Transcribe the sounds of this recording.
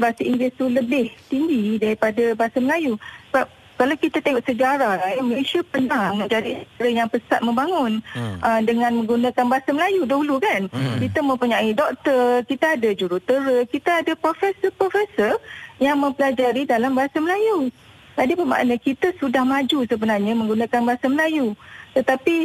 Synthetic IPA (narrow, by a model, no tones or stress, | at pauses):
baasaiŋɡlɪst̪uləbɪht̪iŋɡidaɾipadabaɦasaməlajusəbap̚ | kalawkit̪at̪eŋɔʔsəd͡ʒaɾalaməlesiapənãŋməɲd͡ʒadist̪əɾəjaŋpəsat̪̚mə̃mbaŋʊnʔədəŋãnmə̃ŋɡunãkanbaɦasaməlajudaɦulukankit̪əmə̃mpuɲaidɔk̚t̪ərkit̪aadad͡ʒuɾut̪əɾəkit̪aadapɾofɛsəpɾofɛsəjaŋmə̃mpəlad͡ʒaɾidalambaɦasaməlaju | tadipəma̰ʔnakit̪asudahmãd͡ʒusəbənarɲəmə̃ŋɡunãkanbaɦasaməlajut̪ət̪api